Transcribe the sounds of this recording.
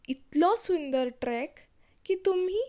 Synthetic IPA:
it̪lɔsund̪əɾʈɾɛkː | it̪umiː

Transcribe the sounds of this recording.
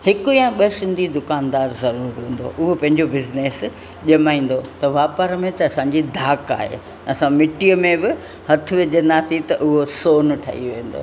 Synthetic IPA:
hɪkʊãɓɐsɪ̃nd̪ʱid̪ʊkaːnd̪aːɾzɐɾuːɾɦũːn̆d̪o̰ʔʊɦopɐ̃ɦɪ̃ɲd͡ʑobɪzneːs | ʄɐmaːĩːn̆d̪ot̪ɐʋaːpəɾmẽt̪ɐːsãɲd͡ʑid̪ʱaːka̰ːɦḛː | ɐsãmɪʈijəmẽbɪ | hɐt̪ʰʊ̆ʋɪʄə̃nd̪aːsĩt̪ɐʔʊɦosoːnʈʰa̰ːɦḭʋẽːn̆d̪o̰ː

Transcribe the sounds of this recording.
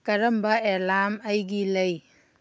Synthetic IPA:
kɐɾɐmbaɛlaːmajɡilɐj

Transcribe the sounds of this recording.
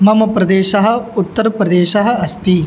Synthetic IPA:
mɐmɐpɾɐd̪eːʃɐɦɐ̆ut̪ːɐɾɐpɾɐd̪eːʃɐɦɐ̆ɐst̪i

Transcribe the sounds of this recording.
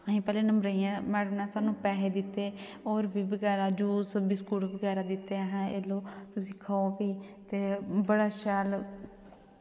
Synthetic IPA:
əɦĩːpɛːleːnəmbɾəiːjãːmɛːɽnãːsaːnũːpɛːɦeːd̪ɪt̪ːeːoːɾbʱiːbəɡɛːɾaːd͡ʒuːsəbiːskuːɽbəɡɛːɾaːd̪ɪt̪ːeːɦɛ̃ːeːloːt̪ʊsĩːkʰaːoːbiːt̪eːbəɽaːʃɛːl

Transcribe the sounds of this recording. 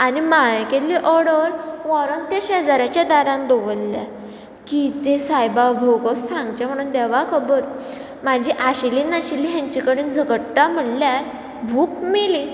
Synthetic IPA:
animajkeliʔɔɾɽəɾʋɔɾənt̪eɕeəd͡zaɾat͡ɕjad̪aɾãnd̪oʋəlːa̰ | kit̪esajbaəbʱəwkɔssʰãŋɡt͡ɕam̤əɽ̃uːnd̪ɛʋakʰəbəɾ | mad͡ʑʱiʔaɕiliːnaɕiliɦjãɲt͡ɕikəɽiːnd͡zʱəkəʈʈam̤əɽljaɾ | bʱuːk̚mili

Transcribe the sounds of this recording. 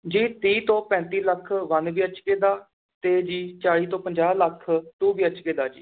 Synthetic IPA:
d͡ʒiːt̪iːt̪õːpɛ̃ːnt̪iːləkʰʋənʋiːət͡ʃkeːd̪aː | t̪eːd͡ʒiːt͡ʃaːɽiːt̪õːpəɲd͡ʒaːləkʰt̪uːʋiːət͡ʃkeːd̪aːd͡ʒḭː

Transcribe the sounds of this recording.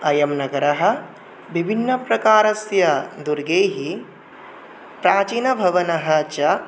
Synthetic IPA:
ɐjɐmnɐɡɐɾɐɦɐ̆ | bibʱinːɐpɾɐkaːɾɐsjɐd̪uɾɡeːɦi | pɾaːt͡ʃiːnɐbʱɐʋɐnɐɦɐt͡ʃɐ

